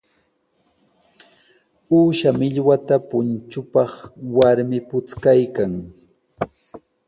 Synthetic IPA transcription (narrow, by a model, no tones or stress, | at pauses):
uːʃamɪʎwat̪apʊnt͡ʃʊpɑχwaɾmɪpʊt͡skajkaŋ